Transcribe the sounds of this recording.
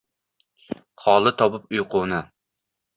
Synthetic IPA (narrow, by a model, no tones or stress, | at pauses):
χɑːlˠɨt̪ʰɑbup̚ujqʰʊːnɨ